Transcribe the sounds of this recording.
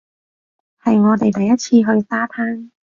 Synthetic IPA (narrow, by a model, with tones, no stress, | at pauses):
hɐ˨jŋɔː˨˧t̪e˨jt̪ɐ˨jːɐ˥t̚t͡sʰiː˧ɦɵ˧ɥsaː˥t̪ʰaː˥n